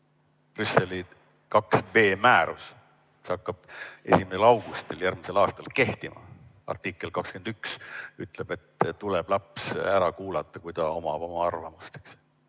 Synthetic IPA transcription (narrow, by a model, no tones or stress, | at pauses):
pryse̞li | kɑksve̞ːmæːɾus | kisɑkːɑb̥̚e̞̰sʲimese̞lɑwɡ̥ust̪iljærɡmise̞lɑːst̪ɑlke̞ht̪imɑ̰ | ɑ̰rt̪ikːˑe̞lkɑkskend̪̥yksyt̪ːˑle̞b̥e̞t̪ːt̪ːuleb̥lɑpsæɾɑkuːlɑt̪ːˑɑkujt̪ɑo̞mɑbomɑɑrvɑmust̪e̥ks